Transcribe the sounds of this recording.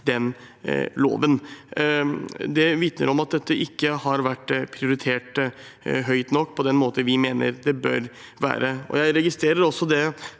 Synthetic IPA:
d̪ɛn | lo̰ːʋən | d̪ɛʋɪt̪nə̰ɾɔmɑt̪̚d̪ɛt̪ːəʔɪkːəhɑɾʋæʈːpʰɾɪʊɾɪt̪ʰeːʈ | ɦœʏt̪nɔkːpʰɔd̪ɛnmoːt̪əʋɪmeːnə̰ɾd̪ɛbœ̰ɾ | ʋæ̰ːɾəɔ̰jæɪɾɛɡɪst̪ɾeːɾəɾɔsːɔd̪ɛ

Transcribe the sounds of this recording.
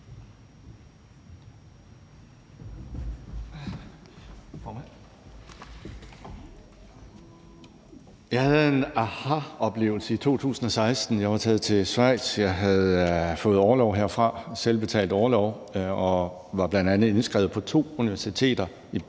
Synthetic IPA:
jɑ̈ɪhæð̩ˠe̝næhɑɒ̽b̥le̝̰ːʊl̩səit͡sʰo̝̰ːt͡sʰṵːsn̩ɒ̽sɑ̈ɪsd̥n̩jɑ̈ɪʋɑ̈t͡sʰɛːð̞̩ˠt͡sʰe̝sʋɑ̈ɪ̰d̥sjɑ̈ɪɦæð̩ˠfɔ̽ːð̞̩ˠɒːlɒʊɦeɐ̰fʁɑ̈selb̥e̝t͡sʰɛ̰ːld̥ɒːlɒʊ | ɒ̽ | ʋɑ̈b̥lænd̥ænð̩ˠe̝nsɡ̥ʁɛ̰ːʊð̩ˠpʰɒ̽t͡sʰo̝̰ːuniʋæɐsit͡sʰe̝̰ːd̥ɐ | i

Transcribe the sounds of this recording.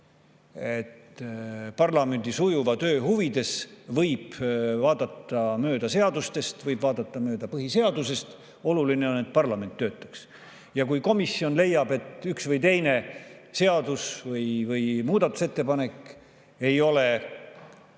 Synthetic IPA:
et̪ːpɑrlɑme̞nd̪̥isujuvɑt̪øːɦuvid̪̥e̞svɤjb̥vɑːd̪̥ɑt̪ːɑmøːd̪̥ɑse̞ɑd̪ust̪e̞st̪vɤjb̥vɑːd̪̥ɑt̪ˑːɑmøːd̪̥ɑpɤɦise̞ɑd̪̥use̞st̪ | o̞luline̞o̞nːe̞t̪̚pɑrlɑme̞nt̪ːøːt̪ːˑɑks | jɑkujko̞misːio̞nle̞jːɑb̥e̞t̪ˑyksvɯjt̪e̞jne̞se̞ɑd̪usvɤjvɯjmuːd̪ɑt̪ːˑu̥se̞t̪ːe̞pɑne̞kːˑ | e̞jo̞le̞

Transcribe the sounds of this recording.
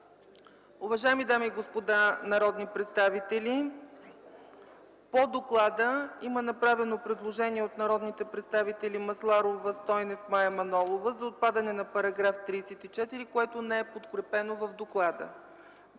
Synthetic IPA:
ʊvɐʒajɛmid̪amiːɡospod̪anɐɾɔd̪nipɾɛt̪st̪avit̪ɛlʲi | pod̪oklˠad̪əimənɐpɾavɛnopɾɛd̪lˠoʒɛniɛot̪nɐɾɔd̪nit̪ɛpɾɛt̪st̪avit̪ɛlʲimɐslˠaɾovəst̪ɔjnɛfmajɐmɐnɔlˠovəzɐot̪̚pad̪ənɛnɐpɐɾɐɡɾaft̪ɾijsɛt̪it͡ʃɛt̪iɾikoɛt̪onɛɛpot̪kɾɛpɛnovəvd̪oklˠad̪ə̰

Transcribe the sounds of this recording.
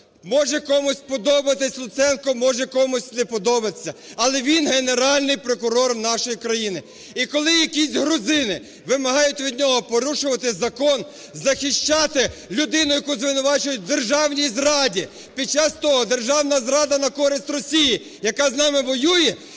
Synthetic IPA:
mɔʒɛkɔmʊsʲpɔd̪ɔbɐt̪ɪsʲlˠʊt̪sɛnkɔmɔʒɛkɔmʊsʲtʲnɛpɔd̪ɔbɐt̪sʲːɐɐlˠɛʋʲinɦeneɾɑlʲnɪjpɾɔkʊɾɔrnɑʃɔjikɾɐjinɪ | ikɔlˠɪjɐkʲisʲɦɾʊzɪnɪ | ʋɪmɐɦɑjʊtʲʋʲid̪ʲnʲɔɦɔpɔɾuʃʊʋɐt̪ɪzɐkɔn | zɐxɪʃt͡ʃɑt̪ɪlʲʊd̪ɪnʊjɐkuzʋɪnʊʋɑt͡ʃʊjʊt̚ʲd̪erʒɑwnʲizɾɑdʲi | pʲid̪̚t͡ʃɑst̪ɔɦɔd̪erʒɑwnɐzɾɑd̪ɐnɐkɔɾɪsʲt̪ʲrɔsʲiji | jɐkɑznɑmɪʋɔjujɛ

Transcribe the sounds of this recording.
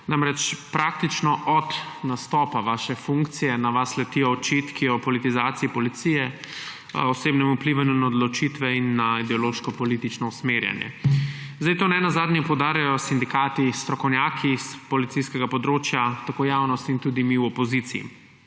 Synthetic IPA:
namɾɛt͡ʃpɾak̚t̪it͡ʃnɔʔɔt̪nast̪ɔːpaʋaːʃɛfũŋkt̪sijɛnaʋaslɛt̪ijɔːt͡ʃit̪kʰiɔpɔlit̪izaːt̪siːpɔlit̪sijɛ | ɔseːbnɛmupliʋanjunaɔd̪lɔt͡ʃit̪ʋɛinːaid̪ɛɔloʃkɔpɔlit̪it͡ʃnɔusmeɾja̰njɛ̰zd̪ajt̪oːnɛnazaːd̪njɛpɔwd̪aːɾjajɔsind̪ikaːt̪ist̪ɾɔkɔwnjaːkʰispɔlit̪siskɛɡapɔd̪ɾoːt͡ʃjat̪akoːjaːwnɔst̪int̪uːd̪imiwɔpɔzit̪siḭ

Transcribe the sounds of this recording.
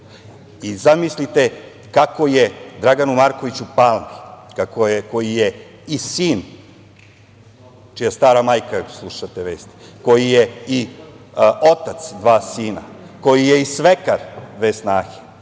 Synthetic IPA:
izamislit̪e̞ | kakojed̪ɾaɡanumaɾkoʋit͡ɕupaːlˠmikakojeko̞jije | isiːn | t͡ʃijast̪aːɾamaːjkaslˠuʃat̪eʋeːst̪i̥ko̞jijei | o̞t̪at̪sd̪ʋaːsiːna̰ko̞jijeisʋekaɾʋeːsnaːxe̥

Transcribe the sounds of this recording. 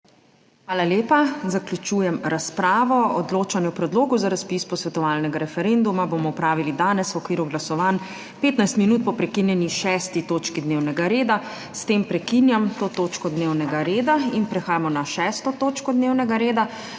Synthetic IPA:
xʋaːlaljeːpazaklʲjut͡ʃuːjɛmɾaspɾaːʋɔɔd̪loːt͡ʃanjɛwpɾɛd̪loːɡuzaɾaspispɔsʋɛt̪ɔʋaːlnɛɡaɾɛfɛɾend̪umabomɔupɾaːʋilid̪aːnɛswɔkʋiːɾuɡlasɔʋaːn | peːt̪najst̪minuːt̪̚pɔpɾɛkinjɛniʃɛst̪it̪oːt͡ʃkid̪neːwnɛɡaɾeːd̪a | st̪empɾɛkinjamt̪oːt̪oːt͡ʃkɔd̪newnɛɡaɾeːd̪ainpɾɛxaːjamɔnaʃɛːst̪ɔt̪oːt͡ʃkɔd̪neːwnɛɡaɾeːd̪a

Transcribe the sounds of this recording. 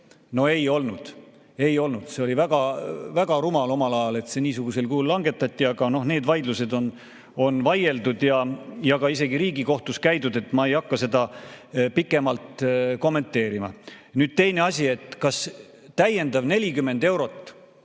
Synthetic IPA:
no̞e̞jo̞lnud̪̥ | e̞jo̞lnud̪̥seo̞livæɡ̥ɑvæɡ̥ɑɾumɑlo̞mɑlɑjɑle̞t̪se̞niːsuɡ̥use̞lkuːlːɑŋɡ̥e̞t̪ːˑɑt̪ʲˑːiɑɡ̥ɑno̞hne̞ːd̪vɑjd̪luse̞d̪o̞n | onvɑje̞ld̪ud̪̥jɑjɑɡ̥ɑise̞ɡiɾiːɡiko̞ht̪uskæjd̪ud̪̥e̞t̪ːˑmɑe̞jɑkːɑse̞d̪ɑpikːˑe̞mɑlt̪ko̞mːe̞nt̪ːˑe̞ːɾimɑ̰ | nyːd̪̥̚t̪e̞jne̞ɑsʲie̞t̪ˑkɑs | t̪æjːe̞nd̪ɑvne̞lʲikymːe̞nd̪e̞wɾo̞t̪ːˑ

